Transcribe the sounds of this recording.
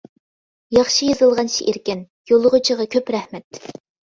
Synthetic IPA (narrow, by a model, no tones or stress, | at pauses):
jɑχʃijɨzɨlˠʁɑnʃʰiʔiɾkʲɪn | jolˠʊʁʊt͡ʃʰiʁɑkʲʰøpɾɛhmɛt̪